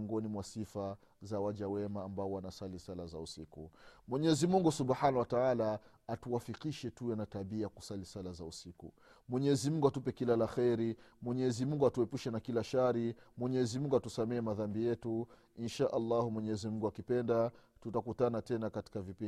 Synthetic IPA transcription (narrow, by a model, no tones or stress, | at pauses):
ŋɡɔnimwasifa | zawaʄawɛmaːmbaɔwanasalisalazausikumwɛɲɛzimuŋɡusubħanawataalaː | tuwafikiʃɛtuwɛnataɓiajaku̥salisalazausiku | mwɛɲɛzimuŋɡuatupɛkilalaxɛɾimwɛɲɛzimuŋɡuatuɛpuʃɛnakilaʃaɾimwɛɲɛzimuŋɡuatusamɛɛmaðambijɛtu | inʃaʔalːahumwɛɲɛzimuŋɡuakipɛndatutakutanatɛnakati̥kavipi